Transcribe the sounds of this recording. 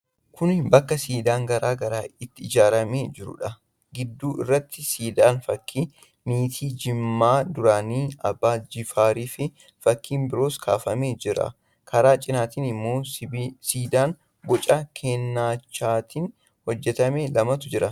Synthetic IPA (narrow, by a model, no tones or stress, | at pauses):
kʰʊnbɐkːɐsiːd̪aːŋɡɐɾaːɡɐɾaːɪt̪ːɪɪd͡ʒaːɾɐmeːd͡ʒɪɾʊ̰ᶑɐ | ɡɪd̪ːuːʔɪ̰rːɐt̪ːɪsiːd̪aːnfɐkʰːiː | miːt̪ʰiːd͡ʒɪmːaːd̪ʊɾaːniːɐ̰bːaːd͡ʒɪfaːɾiːfɪ | fɐkːiːnbɪɾo̞ːskʰa̰ːfɐmeːd͡ʒɪɾɐ̰ | kʰɐɾaːt͡ʃʼɪnaːt̪iːnɪmːo̞ːsiːd̪aːŋ | ɡɔt͡ʃʼakʰeːnːaːt͡ʃːaːt̪iːn | hɔd͡ʒːɛt̪ɐmeːlɐmɐt̪ʊd͡ʒɪɾɐ